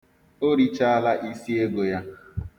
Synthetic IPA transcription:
o˦ɾi˦t͡ʃa˦a˦la˦ʔi˦si˦e˦ɡo˨ja˦

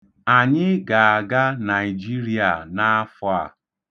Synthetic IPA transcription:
a˨ɲɪ˦ɡa˨a˨ɡa˦na˨i˨d͡ʒi˦ɾi˦a˨na˦a˦fʊ˦a˨

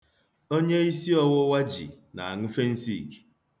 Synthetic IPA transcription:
o˦ɲe˦i˦si˦ɔ˦wʊ˦wa˦d͡ʒḭ˨ | na˨a˨ŋʊ˦fe˦n̩˦sḭ˦˨ɡi̥˨

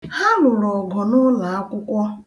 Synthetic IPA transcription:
ha˦lʊ˨ɾɔ˨ɡɔ˨nʊ˦la˨a˦kʷʊ˦kʷɔ˦

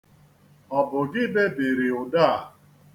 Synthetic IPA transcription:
ɔ˨bʊ˨ɡɪ˦be˦be˨ɾɪ˨ʊ˨daː˦˨

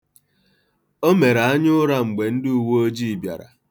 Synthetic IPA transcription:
o˦me˨ɾa˨a˦ɲʊ˦ʊ˦ɾa˦ŋ͡m̩˨ɡ͡be˨n̩˦dɪ˦u˨wo˦o˦d͡ʒi˦˨bja̰˨ɾa̰˨

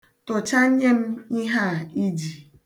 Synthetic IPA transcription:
tʊ˨t͡ʃa˦ɲe˦m̩˦i˦ɦa˦˨i˦d͡ʒi˨

